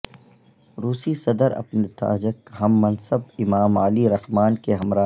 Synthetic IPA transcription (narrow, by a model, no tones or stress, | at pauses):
ɾuːsisɐd̪əɾɐ̰pnet̪a̰ːd͡ʒəkɦɐmːɐnsəbɪmaːmaːliɾɐhmaːnkeɦɐmɾaː